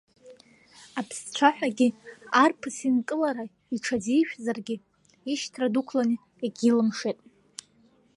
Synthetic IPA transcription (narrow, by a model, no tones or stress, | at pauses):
apʰst͡ʃʷʰaħʷᶣaɡʲiarpʰɨsinkʼɨlaɾa | iʈ͡ʂʰad͡zijʃᶣzarɡʲɪ | iʃtʰradukʷʰlani | eɡʲilɨmʂetʼ